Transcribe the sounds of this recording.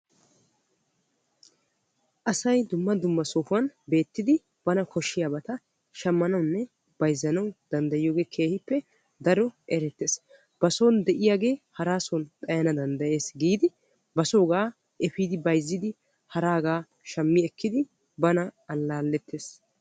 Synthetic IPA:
ʔɐsɐjd̪ʊmːɐd̪ʊmːɐsoːfʊɐnbe̞ːt̪ːɪd̪ɪ | b̥ɐnɐkʰɔʃːɪjaːbɐt̪ɐ | ʃɐmːɐnɐwnːɛ | b̥ɐjzːɐnɐwd̪̥ɐnd̪ɐjɪjoːɡe̞ːkʰe̞ːhɪpːɛ | d̪ɐɾɔʔɛɾɛt̪ːeːs | b̥ɐso̞ːnd̪ɛʔɪjaːɡe̞ːhɐɾaːsont̪ʼɐjɐnɐd̪ɐnd̪ɐʔe̞ːsɡiːd̪ɪ | bɐso̞ːɡaː | ʔɛfiːd̪ɪbɐjzːɪd̪ɪ | hɐɾaːɡaː | ʃɐmːɪɛkʰːɪd̪ɪ | bɐnɐɐlːaːlːɛt̪ːeːs

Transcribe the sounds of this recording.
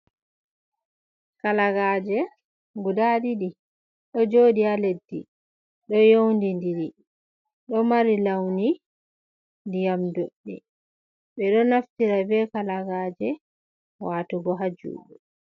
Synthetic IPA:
kalaɡaːd͡ʒɛ | ɡudadiɗi | ɗɔd͡ʒoːdialedːḭ | ɗɔjowndindiɾi | ɗɔmaɾilawni | ndijamdoɗːi | ɓɛɗɔnaftiɾabɛkalaɡaːd͡ʒɛ | waːtuɡɔɦad͡ʒṵːɓu

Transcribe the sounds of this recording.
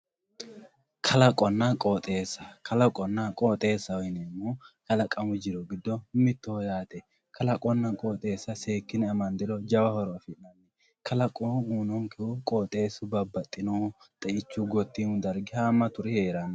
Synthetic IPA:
kʰɐlɐkʼɔnːɐkʼoːt̪ʼeːsːɐ̥kʰɐlɐkʼɔnːɐkʼoːt̪ʼe̞ːsːɐwɔjɪnɛmːoːkɐlɐkʼɐmʊd͡ʒɪɾɔɡɪd̪ːɔmɪt̪ːoːjaːt̪ɛ | kʰɐlɐkʼɔnːɐkʼoːt̪ʼe̞ːsːɐseːkːɪnɛɐmɐnd̪ɪɾɔd͡ʒɐwɐhɔɾɔfɪʔɐnːɛ | kʰɐlɐkʼouːnɔŋkɛʊkʼoːt̪ʼe̞ːsʊbɐbːɐt̪ʼːɪno | t̪ʼɐʔɪt͡ʃːuɡɔt̪ːiːnʊd̪ɐɾɡɪhaːmːɐt̪ʊɾɛheːɾɐnː

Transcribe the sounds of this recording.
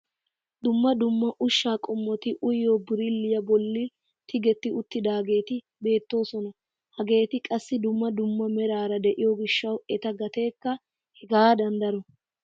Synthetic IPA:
d̪ʊmːɐd̪ʊmːɐʔʊʃːaːkʼɔmːɔt̪ɪʔʊjjoːbɪɾɪlːɪjɐbɔlːɪ | t̪ʰɪɡɛt̪ːɪʊt̪ːɪd̪aːɡe̞ːt̪ɪ | be̞ːt̪ːo̞ːsɔnɐ | hɐɡe̞ːt̪ɪkʼɐsːɪd̪ʊmːɐd̪ʊmːɐmɛɾaːɾɐd̪ɛʔɪjɔɡɪʃːɐwɛt̪ɐɡɐt̪e̞ːkːɐ | hɛɡaːd̪ɐnd̪ɐɾɔ

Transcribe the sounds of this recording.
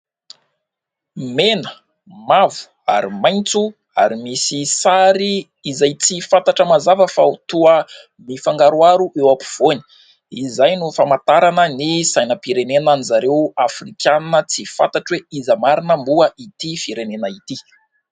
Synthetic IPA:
menə | mavu̥ | a̰ɾimajnt͡su | a̰ɾimisisaɾiː | zajt͡sifant̪aʈ͡ʂəmazavəfaut̪uə | mifaŋɡaɾuaɾuʔewapi̥v̥oni̥ | izajnufamat̪aɾanənisajnəpiɾenenanizaɾewafrikʲanət͡sifa̰nt̪aʈ͡ʂweizəmaɾinəmbuəʔit̪ifiɾenenəit̪i

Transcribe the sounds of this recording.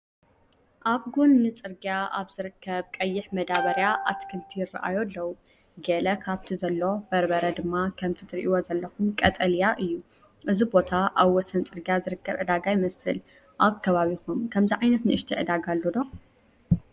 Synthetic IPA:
ʔaβɡunːɨt͡sʼɨɾɡjaʔaβz̥ɨɾɨkʰːɐβkʼɐjːɪħmɐd̪aβɐɾjaʔat̪kʰɨlt̪ʰijɪrːa̰ʔa̰jolːɐwu | ɡɐlɐkʰaβt̪ʰizɐlːo̞b̥ɐɾbɐɾɐd̪ɨmːakʰɐmt̪ʰit̪ʰɨɾʔiwozɐlːɐxumkʼɐt̪ʼɐlijaʔɨjːu | ʔɨzibo̞t̪ʰaʔaβwɔsɐnt͡sʼɨɾɡijazɨɾɨkːɐβʕɨd̪aɡajɪmɐsɨ̰l | ʔaβkʰɐβaβixumkʰɐmziʕajnɐt̪nɨʔɨʃt̪ʰiʕɨd̪aɡalːod̪o̞

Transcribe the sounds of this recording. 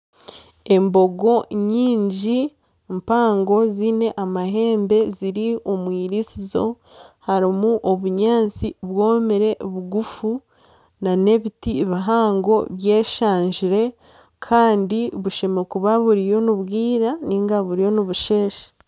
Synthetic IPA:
e̞mbo̞ɡo̞ɲiːɲɟi | mpaːŋɡo̞zine̞ʔamaɦe̞ːmbe̞ziɾiomwiːɾisizo̞ | haɾimuʔo̞βuɲaːt͡siβwo̞ːmeɾe̞βuɡufu | nane̞βitiβiɦaːŋɡo̞βje̞ːʃaːɲʒiɾe̞ | kʰaːndiβuʃe̞me̞kuβaβuɾijo̞nuβɡiːɾaniŋɡaβuɾijo̞niβuʃe̞ːʃḁ

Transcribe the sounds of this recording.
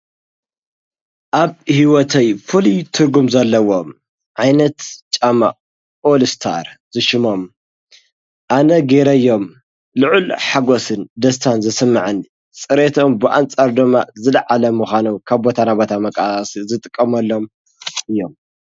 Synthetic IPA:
ʔaβhiwɔt̪ʰɐjfʰulit̪ʰɨɾɡumzalːɐwom | ʕajnɐt̪t͡ʃʼama̰ | ʔolst̪ʰa̰ɾzɨʃɪmo̞m | ʔanɐɡe̞ɾɐɨjːo̞m | lɨʕulħaɡosɨnd̪ɐst̪ʰanzɐsɨmːaʕɨn | t͡sʼɨɾet̪ʰo̞mbɨʔa̰nt͡sʼaɾd̪ɨmːazɨlɐʕalɐmuxʷanukʰaβbot̪ʰanabot̪ʰamɐkʼasizɨt̪ʼɨkʼːɐmɐlːo̞m | ɨjːom

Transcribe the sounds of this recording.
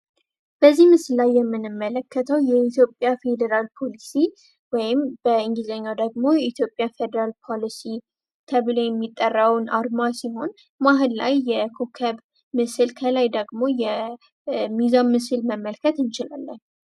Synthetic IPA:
b̥əzːihmɨsɨlːajːɛmːɨnɨmːələkʰːət̪ʰəwjɛit̪jo̞pʼːjafe̞d̪əɾalpʰolisi | wɔjɪmb̥əɨŋɡizəɲːawd̪əɡmo̞jɛit̪ʰjo̞pʼːjafed̪əɾalpʰolisi | t̪ʰəβɨlojɛmːit̪ʼːərːəwnʔaɾmasiɦo̞n | maɦɨlla̰jːɛkʰokʰəβ | mɨsɨlkʰəlajd̪əɡmojɛ | mizamːɨsɨlməmːəlkʰət̪ɨnt͡ʃɪla̰lːən

